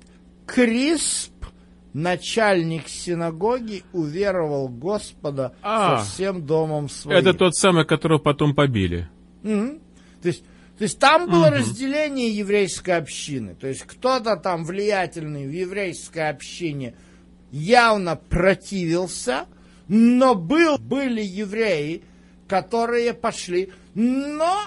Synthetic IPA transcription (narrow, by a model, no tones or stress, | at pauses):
kɾʲisp | nɐt͡ɕælʲnʲɪksʲɪnɐɡo̞ɡʲɪʊvʲe̞ɾəvəlˠɡo̞spəd̪əasɐfsʲe̞md̪o̞məmsvɐɛit̪ət̪o̞t̪samɨjkɐt̪oɾɨəpɐt̪o̞mpɐbʲḭlʲɪ̰ | m̩h̩ | t̪oɪsʲt̚ʲ | t̪o̞ɪsʲtʲt̪ambɨlˠəɾəzʲdʲɪlʲenʲɪjəjɪvɾʲejskəjɐpɕːinɨ̰t̪o̞ɪsʲtʲkt̪o̞t̪ət̪amvlʲɪjætʲɪlʲnɨjvjɪvɾʲejskəjɐpɕːinʲɪ | javnəprɐtʲivʲɪlˠsʲə | nobɨlˠbɨlʲɪjɪvɾʲejɪ | kɐt̪o̞ɾɨjəpɐʂlʲi | no